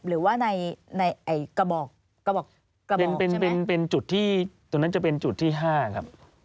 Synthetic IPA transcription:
ɾɯː˩˦waː˥˩na˧jna˧jʔa˨˩jka˧bɔː˨˩k̚ː | a˧bɔː˨˩kː | a˧pn˨˩pe˧pe˧npe˧nt͡ɕu˨˩t̪ʰːiː˥˩t̪o˧ŋna˦˥nt͡ɕa˨˩pe˧nt͡ɕu˨˩t̪ʰːiː˥˩ɦaː˥˩kʰa̰˦˥p̚

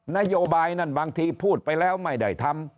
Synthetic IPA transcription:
na˦˥joː˧baː˧jna˥˩nbaː˧ŋt̪ʰiː˧pʰuː˥˩t̪̚pa˧jlɛː˦˥wma˥˩jda̰˨˩jt̪ʰa˧m

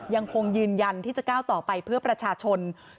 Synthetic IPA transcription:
ja˧ŋkʰo˧ŋjɯː˧nja˧nt̪ʰiː˥˩t͡ɕa˨˩kaː˥˩wt̪ɔː˨˩pa˧jpʰɯ˥˩ɐpɾa˧t͡ɕʰaː˧t͡ɕʰo˧n

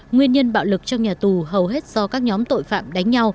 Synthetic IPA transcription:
ŋwi˧ənɲə˧nɓa̰ː˧˨wlɨ˨˩k̚t͡ɕɔ˧wŋ͡mɲaː˨˩t̪u˨˩ɦə˨˩wɦe˦˥t̚z̥ɔ˧kaː˦˥k̚ɲɔ˨˦mt̪o̰˧˨jfa̰ː˧˨mɗa˨˦ŋ̟ɲa˧w

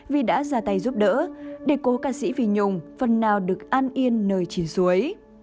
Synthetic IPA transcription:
vi˨˩ɗa̰ː˧˥zaː˨˩t̪a˨˩jzu˦˥p̚ɗə̰ː˧˥ɗe˧˩ko˨˦kaː˧˩sḭ˧˥vi˨˩ɲʊ˨˩ŋ͡mfə˨˩nːaː˨˩wɗɨ˨˩ək̚ʔaː˧nʔi˧ənːəː˨˩jt͡ɕi˨˦nsu˨˦əj

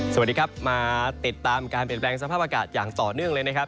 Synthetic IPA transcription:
sa˨˩diː˧kʰa˦˥p̚maː˧t̪i˨˩t̪ːaː˧mkaː˧npi˨˩nplɛː˧ŋsa˧pʰaː˥˩p̚a˧kaː˨˩t̪̚jaː˨˩ŋt̪ɔː˨˩nɯ˥˩əŋləɤː˧jna˦˥kʰp̚

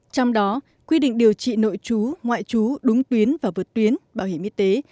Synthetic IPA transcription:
t͡ɕɔ˧wŋ͡mɗɔ˨˦ | kwi˧ɗḭ˧˨ŋ̟ɗi˨˩əwt͡ɕḭ˧˨no̰˧˨jt͡ɕu˨˦ŋwa̰ː˧˨jt͡ɕu˨˦ɗʊ˨˦ŋ͡mt̪wi˨˦ənvaː˨˩vɨː˨˩t̚t̪wi˨˦ənɓaː˧˩whi˧˩əmʔi˧t̪e˨˦

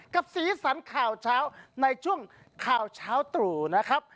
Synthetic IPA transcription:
ka˨˩p̚siː˨˩˦sa˩˦nkʰaː˨˩wt͡ɕʰaː˦˥wna˧jt͡ɕʰu˥˩əŋ | kʰaː˨˩wt͡ɕʰaː˦˥wt̪uː˨˩na˦˥kʰa˦˥p̚

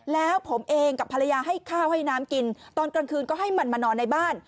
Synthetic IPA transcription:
lɛː˦˥wpʰo˩˦mʔeː˧ŋka˨˩pʰːa˧la˧jaː˧ɦa˥˩jkʰaː˥˩wha˥˩jnaː˦˥mki˧nt̪ɔː˧nka˧ŋkʰɯː˧nkɔː˥˩ɦa˥˩jma˧nmaː˧nɔː˧nːa˧jbaː˥˩n

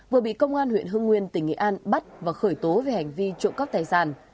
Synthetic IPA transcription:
vɨ˨˩əɓḭ˧˨kə˧wŋ͡mʔaː˧nhwḭ˧˨ənɦɨ˧ŋːwi˧ənt̪ï˧˩ŋ̟ːḭ˧˨ʔaː˧nɓa˦˥t̚vaː˨˩xəː˧˩jt̪o˨˦ve˨˩ha˨˩jŋ̟vi˧t͡ɕṵ˧˨ŋ͡mkə˦˥p̚t̪aː˨˩jsaː˧˩n

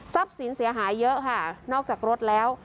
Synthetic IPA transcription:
sa˦˥˩p̚si˩˦nsi˩˦ɐɦaː˩˦jːɤ˦˥ʔkʰa˥˩nɔː˥˩k̚t͡ɕaː˨˩k̚ɾo˦˥t̪̚lɛː˦˥w

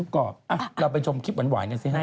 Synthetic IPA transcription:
p̚kɔː˨˩p̚ʔa˧˩ɾa˧wpa˧jt͡ɕʰo˧mkʰi˦˥t̚m˩˦nwaː˩˦jna˧si˧˥˩a˥˩

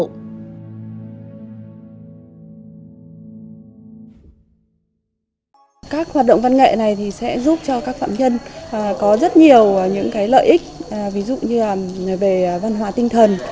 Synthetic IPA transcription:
kaː˦˥k̚hwaː˨˩t̚ɗə̰˧˨wŋ͡mva˧nŋḛ˧˨na˨˩jt̪ʰi˨˩sɛ̰˧˥zu˦˥p̚t͡ɕɔ˧kaː˦˥k̚fa̰ː˧˨mɲə˧nː˨˩kɔ˨˦zə˦˥t̚ɲi˨˩əwɲɨ̰˧˥ŋkaː˨˦jlə̰ː˧˨jʔï˦˥k̟̚vi˨˦zṵ˧˨ɲɨ˧la˨˩˨ve˨˩˨va˧nɦwaː˨˦t̪ï˧ŋt̪ʰə˨˩n

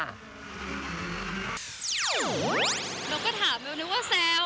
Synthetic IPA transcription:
lɛː˧wkɔː˥˩t̪ʰaː˩˦mlɛː˧wnɯ˧˦˥waː˥˩sɛː˧˥

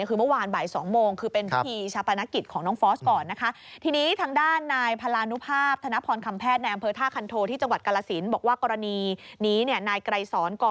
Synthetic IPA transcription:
kʰɯː˧mɯ˥˩˨waː˧nbaː˨˩jsɔː˩˦ŋmoː˧ŋkʰɯː˧pe˧npʰi˦t̪ʰiː˧t͡ɕʰa˦˧˥pʰːa˧na˦˥ki˨˩t̪̚kʰɔː˩˦ŋnɔː˦˥ŋfɔː˦˥skɔː˨˩nːa˦˥kʰa˦˥ | t̪ʰiː˧niː˦˥t̪ʰaː˧˥ŋdaː˥˩nːaː˧jpʰa˧laː˧nu˦˥pʰaː˥˩p̚t̪ʰa˧na˦˥pʰɔː˧nkʰa˧mpʰɛː˥˩t̪̚na˧jʔmpʰɤː˧t̪ʰaː˥˩kʰa˧nt̪ʰoː˧t̪ʰiː˥˩t͡ɕa˧ŋwa˨˩t̪̚ka˧la˧si˩˦nbɔː˨˩kwaː˥˩kɔː˧ɾa˧niː˧niː˦˥ni˥˩ənaː˧jkɾa˧jsɔː˩˦nkɔː˧

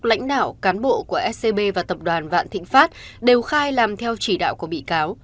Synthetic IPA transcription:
la̰˧˥jŋ̟ɗa̰ː˧˨wkaː˨˦nɓo̰˧˨ku˧˩əʔɛ˦˥t̚se˧ɓe˧vaː˨˩t̪ə˨˩p̚ɗwaː˨˩nva̰ː˧˨nt̪ʰḭ̈˧˨ŋ̟faː˦˥t̚ɗe˨˩wxaː˧jlaː˨˩mt̪ʰɛ˧wt͡ɕi˧˩ɗa̰ː˧˨wku˧˩əɓḭ˧˨kaː˨˦w

